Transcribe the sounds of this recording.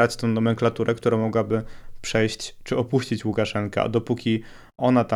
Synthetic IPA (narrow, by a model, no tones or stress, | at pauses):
ɾat͡ɕt̪ɔ̃d̪ɔmɛŋklat̪uɾɛkt̪uɾamɔɡwabɘpʂɛjɕt͡ɕt͡ʂɘɔpuɕt͡ɕit͡ɕwukaʂɛŋka̰d̪ɔpukʲi | ɔnat̪a